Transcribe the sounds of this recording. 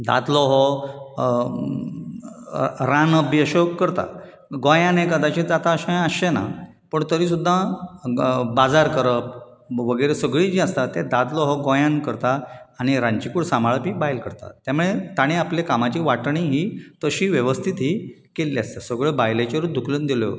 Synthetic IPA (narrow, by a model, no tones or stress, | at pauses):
d̪a̰t̪lɔɦɔ | ɾãnəbiəɕɔkəɾt̪a̰ | ɡojãnẽkəd̪at͡ɕĩd͡zat̪aəɕãəɕena̰ | pəɳt̪əɾiːsud̪ʱːa | bad͡zaɾkəɾəp̚ | ʋəɡəjɾesəɡɭiːd͡ʑiəst̪at̪ed̪ad̪lɔɦɔɡɔ̃jãnkəɾt̪aaɽ̃iɾaɲt͡ɕikuːɽsãmaɭəpiːbajlkəɾt̪a̰t̪jamuɭet̪aɽ̃ĩapljakamat͡ɕiːʋaʈɳĩɦiːt̪əɕiːʋjəʋəst̪ʰit̪ɦiːkelːiast̪asəɡɭebajlet͡ɕeɾud̪ukʰluːnd̪iljo̰